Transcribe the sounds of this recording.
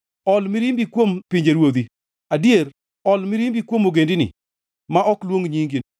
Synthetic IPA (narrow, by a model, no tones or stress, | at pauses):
ɔlmɪɾimbikwompɪɲd͡ʒeɾwod̪i | adieɾ | ɔlmɪɾimbikwomoɡendɪnɪ̰ | maʔɔklwoŋɲiŋɡi